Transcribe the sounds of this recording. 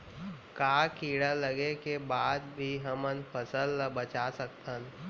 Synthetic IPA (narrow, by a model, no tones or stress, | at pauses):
kaːkiːɽaləɡekebaːd̪bʱiɦəmənpʰəsəlːəbət͡ʃasək̚t̪ən